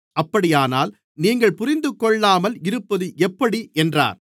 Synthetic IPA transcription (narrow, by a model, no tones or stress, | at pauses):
ɐpːɐɽɪjaːnaːl | niːŋɡɐɭpʊɾɪnd̪ɯkːɔɭːaːmɐlɪɾɯpːɐðɯʔɛpːɐɽiʔɛndra̰ːɾ